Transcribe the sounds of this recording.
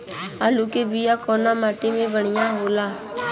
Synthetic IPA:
aːluːkeːbɪjaːkɔːnaːmaːʈemẽːbəɳɪjãːɦoːlaː

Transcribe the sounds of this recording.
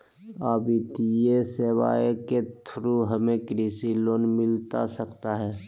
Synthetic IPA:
aːbɪt̪jesewa̰ːeket̪ʰɾuɦəmẽkɾiːsiloːnmɪlt̪a̰səkt̪aɦɛː

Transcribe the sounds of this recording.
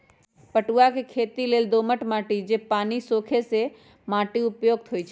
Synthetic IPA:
pɐʈuakʰekʰeːt̪ileːld̪oːməʈmaːʈid͡ʑeːpaːnisoːkʰese | maːʈiʊpjoːɡ̚t̪ʰoit͡ʃʰ

